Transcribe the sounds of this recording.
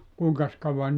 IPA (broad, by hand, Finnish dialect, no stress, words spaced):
kuˑiŋkɑs kɑuʋɑn